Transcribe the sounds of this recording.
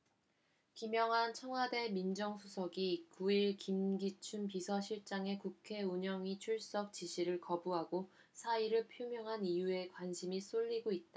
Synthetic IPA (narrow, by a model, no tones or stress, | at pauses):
kimjʌŋɦant͡ɕʰʌŋwade̞mind͡ʑʌŋsʰusʰʌɡikuiɭkimɡit͡ɕʰunpisʰʌɕʰiɭt͡ɕ͈aŋe̞kukʰe̞uɲʌŋit͡ɕʰuɭs͈ʌk̚t͡ɕiɕʰiɾɯɭkʌbuɦaɡo | sʰaiɾɯɭpʰjomjʌŋɦanijue̞kwanɕʰimis͈oʎːiɡoit̚t͈a